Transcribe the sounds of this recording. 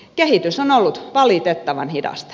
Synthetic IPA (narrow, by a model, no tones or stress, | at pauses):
kehit̪ysonolːut̪ʋɑlit̪et̪ːɑʋɑ̰nhidɑ̰st̪